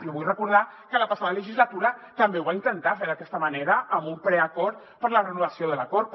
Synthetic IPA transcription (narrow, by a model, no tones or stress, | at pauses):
oβujrəkuɾð̞akələpasaðələʒizlət̪uɾət̪əmbewβaint̪ənt̪afeɾðəkɛst̪əməneɾəːmumpɾɛəkɔɾt̪ | pəɾlərənuβəsioðələkɔɾt̪̚